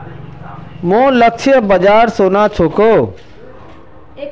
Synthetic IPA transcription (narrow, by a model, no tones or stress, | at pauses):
mõːləkt͡ʃʰiəbəd͡ʒaːɾsoːnat͡ʃʰoːkoː